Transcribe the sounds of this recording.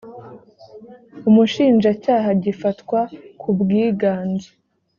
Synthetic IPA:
umuʃiːnʒacaːɦaɟifatwakʰubɡiːɡaːnzo

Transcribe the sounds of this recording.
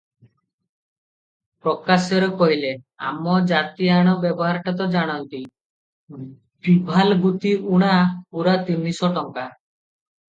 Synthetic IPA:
pɾɔkasjɔɾɔkɔɦile | a̰mɔd͡ʒat̪iaɽ̃ɔbjɔbɔɦaɾʈat̪̬ɔd͡ʒaɽ̃ɔnt̪i | bibʱalɡut̪iʔuɽ̃apuɾat̪inisɔʈɔŋka

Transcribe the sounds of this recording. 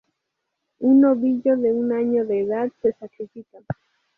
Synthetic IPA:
unoβiʎoðeunaɲoðeːðad̪sesakɾifikaŋ

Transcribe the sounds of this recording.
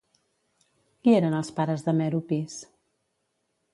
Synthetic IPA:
kieɾənəlˠspaɾəzðəmɛɾupis

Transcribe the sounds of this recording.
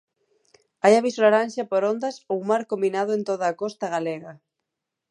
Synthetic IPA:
ajaβisolaɾanʲʃapoɾond̪ɐsowmaɾkombinað̞ʊẽnt̪oðaːkɔst̪aɣaleɣa

